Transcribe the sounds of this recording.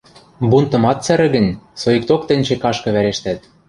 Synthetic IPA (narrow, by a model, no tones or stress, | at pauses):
bunt̪ɤ̆mɑt̪t͡sæɾɘ̆ɣɘ̆nʲsoik̚t̪ok̚t̪ɘ̆nʲt͡ɕĕkɑʃkɤ̆βæɾeʃt̪æt̪̚